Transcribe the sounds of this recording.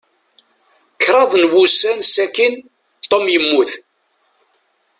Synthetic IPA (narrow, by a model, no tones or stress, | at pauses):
kːɾˤɑðˤnwusænsækin | t̪ˤːomjəmːuθ